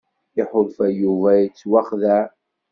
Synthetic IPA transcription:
ɪħʊðˤfæjuvæjət͡sːwaχðæ

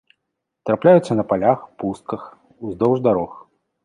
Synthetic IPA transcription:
t̪ɾaplʲajut̪sːɐnɐpalʲaxpust̪̚kɐx | uzd̪ɔwʐd̪aɾɔx

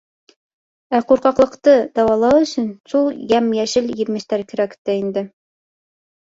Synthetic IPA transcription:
æquɾqɑqlˠɤ̆qt̪ɤd̪ɑwɑlˠɑwɵ̆sɵ̆nsulˠjæmjæʃɘljɘ̆ɾmɘ̆ʃt̪æɾkɘ̆ɾækt̪ːæind̪ɘ

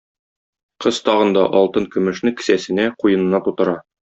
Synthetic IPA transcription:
qɤz̥t̪ɒʁɤ̆nd̪ɑʔɒlˠt̪ɤŋkɵ̆mɵ̆ʃnɘkɘ̥̆sæsɘ̆næqujɤ̆nɤ̆nɑt̪ut̪ɤ̆ɾɑ

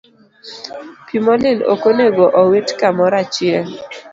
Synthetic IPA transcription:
pimɔlɪlo̰koneɡoʔɔwitkamɔɾat͡ʃɪɛl

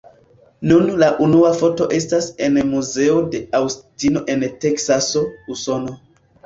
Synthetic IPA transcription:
nunlaʔunuafo̞to̞ʔe̞stase̞nmuze̞o̞de̞awstino̞ʔe̞nte̞ksaso̞uso̞no̞

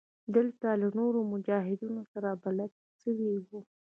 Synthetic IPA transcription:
d̪əlt̪alanoɾomʊd͡ʒɑɦɪd̪unosaɾabalad̪̚ | səwiwu

